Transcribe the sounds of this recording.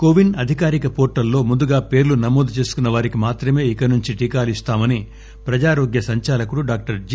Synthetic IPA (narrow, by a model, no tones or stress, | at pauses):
koːʋinɐd̪ʱikaːɾikɐpoːʈːɐlːo̞ːmund̪uɡaːpe̞ːɾlunɐmoːd̪ʱut͡ʃe̞ːsu̥kunːɐʋaːɾikimaːt̪ɾɐme̞ːikɐnuɲt͡ʃiʈiːkaːlist̪aːmɐni | pɾɐd͡ʒaːɾo̞ːɡjɐsɐɲt͡ʃaːlɐkuɽuɖaːk̚ʈɐɾd͡ʒ